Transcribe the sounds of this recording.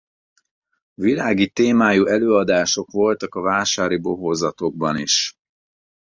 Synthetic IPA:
vilaːɡit̪eːmaːjuʔɛløːɒd̪aːʃo̞kʋo̞lt̪ɒkɒvaːʃaːɾibo̞ɦozɒt̪o̞ɡ̚bɒniʃ

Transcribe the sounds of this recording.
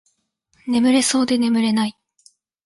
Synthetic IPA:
ne̞mɯ̟ɾe̞so̞ːd̪e̞ne̞mɯ̟ɾe̞nai

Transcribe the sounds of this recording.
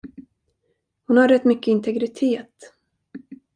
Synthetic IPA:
hʊnhaɾɛt̪ːmʏkːəɪnt̪ʰɛɡɾɪt̪ʰeːt̪

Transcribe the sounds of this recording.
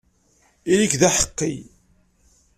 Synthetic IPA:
ilikðæħə̥qːḭ

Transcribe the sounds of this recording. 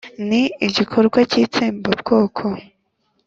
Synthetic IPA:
niiɟikʰoɾɡwaciːt͡seːmbobɡo̞ːkʰo

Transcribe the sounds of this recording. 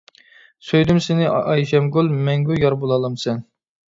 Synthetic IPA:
søjd̪ymsɪnɪɑjʃɛmɡulˠmɛŋɡʲujɑɾbolˠɑlˠɑmsɛn

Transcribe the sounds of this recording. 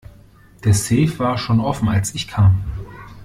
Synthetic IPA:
d̥eːɐsɛːfv̥aːɐʃoːnʔɔfn̩alsɪçkʰaːm

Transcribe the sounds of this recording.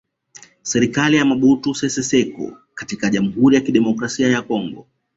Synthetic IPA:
sɛɾikalijamaɓutusɛsɛsɛkɔ̰ | katikaʄam̩huɾijakiɗɛmɔkɾasiajakɔŋɡɔ

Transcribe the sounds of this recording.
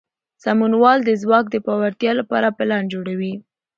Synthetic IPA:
samunwɑld̪əzwɑk̚d̪əpɑwaɾt̪jɑlapɑ̰ɾapɪland͡ʒoɽawi

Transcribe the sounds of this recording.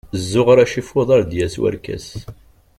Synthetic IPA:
zːʊʁɾæʃifʊðˤɑɾd̪jæswæ̰ɾkæ̰s

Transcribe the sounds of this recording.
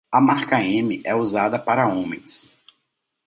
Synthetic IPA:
ɐmaɾkɐẽmɪʔɛuzad̪ɐpaɾɐõmẽj̃s

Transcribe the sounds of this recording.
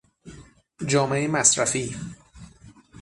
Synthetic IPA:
d͡ʒɒːmeemæsɾæfiː

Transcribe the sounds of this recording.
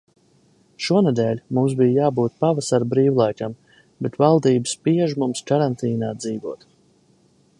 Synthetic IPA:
ʃuɔned̪ɛːlʲmums̬bijjaːbuːt̪̚pavasaɾbɾiːwlˠajkam | bet̪valˠd̪iːbəspiɛʒmumskaɾant̪iːnaːd̪ziːvuɔt̪

